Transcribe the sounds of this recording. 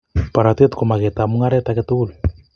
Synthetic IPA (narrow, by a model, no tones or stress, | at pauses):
paɾat̪et̪komaɣet̪amuŋaɾɛt̪aket̪ulu